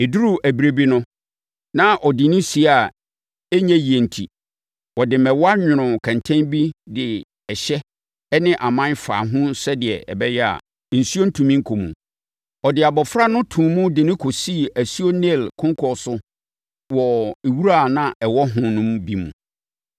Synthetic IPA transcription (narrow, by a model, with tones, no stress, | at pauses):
e˨du˦ɾu˦ʔæ˨bi˨ɾe˨bi˦nʊ̃˦ | nã˦ʔɔ˨dɪ˨nʊ̃˦si˨a˨ | e˦ɲɛ̃˦ji˨e˨n̩˨tʰḭ˨ | wɔ˨dɪ˨mɛ˨wɔ˦a˦ɲᶣʊ̃˨ɾʊ̃˨kʰã˨ntʰɛ̃˦nbi˦dɪ˨ | ɛ˨ɕɛ˦ | ɛ˦nɪ̃˦ʔa˨mã˦nfa̰˨ɦʊ̃˦sɛ˦dɪ˨ɛ̰˨ʔɛ̰˨bɛ˦jɛ˦a̰˨ | n̩˨su˦o˦n̩˦tʰũ˨mĩ˦ŋ̩˦kʰo˨mṵ̃˨ | ɔ˨dɪ˨a˨bɔ˨fɾa˦nʊ̃˦tʰũ˨mũ˦dɪ˨nɪ̃˦kʰo˨si˦˨æ˨su˦o˦nɛ˦˨lkʰʊ̃˦ŋ˦kʰɔ˨sʊ˦ | wɔ˨e˨wu˦ɾa˦˨nã˦ɛ˨wɔ˦ɦʊ̃˦nʊ̃˦mbi˦mṵ̃˨